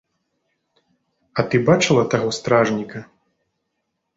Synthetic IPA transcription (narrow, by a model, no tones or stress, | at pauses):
ɐt̪ɨbat͡ʂɨlˠɐt̪aɣɔst̪ɾaʐnʲikɐ